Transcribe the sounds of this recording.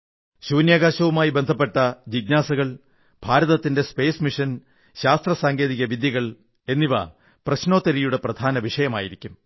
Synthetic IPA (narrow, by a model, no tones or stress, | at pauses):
ɕuːnjaːɣaːɕɐʋumaːjibe̞nd̪ʱɐpːe̞ʈːɐd͡ʑiɡnaːsɐɣɐɭ | b̥ʱaːɾɐðɐt̪ːinde̞spe̞ːsmiʂɐn | ɕaːst̪rɐsaːŋɡeːðiɣɐʋid̪jɐɣɐɭ | e̞nːiʋɐ̰ | prɐɕno̞ːt̪ːɐɾijuɽe̞prɐd̪ʱaːnɐʋiʂɐjɐma̰ːjiɾikʲːum